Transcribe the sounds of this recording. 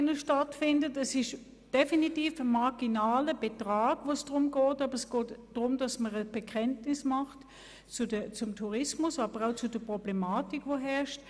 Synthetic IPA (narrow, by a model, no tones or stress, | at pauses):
nəʃtatfɪndətɛsɪʃ | d̥efinitiːfəmaɐɡinaːləb̥etʁaːɡ̥voːsd̥ʁʊmɡɔːtɑːbəʁɛsɡ̥ɔːtd̥ʁʊmd̥ɑsməʁəb̥ɛkʰɛntnɪsmɑχt | t͡sudət͡sʊmtʰuʁɪsmʊsɑːb̥əʁaʊt͡sudəpʁ̥ɔblɛmaːtikvoɦɛɐʃt